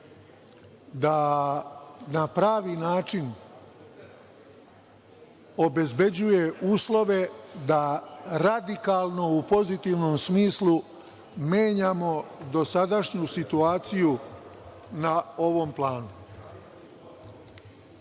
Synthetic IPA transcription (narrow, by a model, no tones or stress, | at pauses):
d̪a | napɾaːʋinaːt͡ʃin | o̞be̞zbe̞d͡ʑuje̞uːslˠo̞ʋe̞d̪aɾad̪ikaːlˠno̞upo̞zit̪iʋno̞msmiːslˠu | meːɲamo̞d̪o̞sad̪aʃɲusit̪uaːt̪siju | nao̞ʋo̞mplˠaːnu